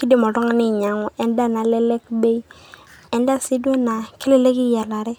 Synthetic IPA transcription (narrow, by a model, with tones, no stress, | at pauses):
kɪ˦di˨mɔ˨tɔ˦ŋa˨˦nɪ˦˨ɲa˨ŋɔ˨ʔɛ˦n˦da˦˨na˨lɛ˦lɛ˦kbe˦i˦ɛ˨n˦da˦si˦dwɛ˦na˨ki˦le˦le˦ki˦ja˨la˨ɾɛ˦